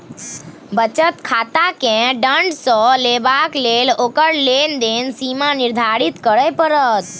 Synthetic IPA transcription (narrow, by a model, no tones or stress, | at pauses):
bət͡ʃət̪kʰaːt̪akẽɖəɳɖsɔleːbaːkleːloːkəɾleːnd̪eːnsiːmanɪɾd̪ʱaːɾit̪kəɾəjpəɾət̪